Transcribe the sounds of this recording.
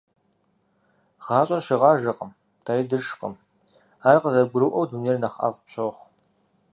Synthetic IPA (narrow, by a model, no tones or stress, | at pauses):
ʁ̥ɑːt͡ʃʼɐʃɪʁɑːʒɐqʼəm | tʰaːɾiːdɨrʂqʼə̰m | aːrqəzɐɡʷʊɾɨʔɐwduneːrnɐχa̰ːvpɕʰʼoχʷ